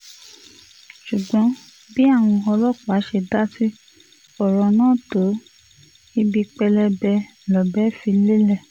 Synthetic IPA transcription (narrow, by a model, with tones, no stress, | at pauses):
ʃu˨ɡ͡bɔ̃˨˦ | bi˦a˦˨w̃ɔ̃˧ɔ˧lɔ˦˨k͡pa˨˦ʃe˧da˦ti˦ | ɔ˦˨ɾɔ˧nãː˦˨to˨˦ | i˧bi˧k͡pɛ˧lɛ˧bɛ˧˨ | lɔ˨bɛ˨˦fi˧le˦lɛ˦˨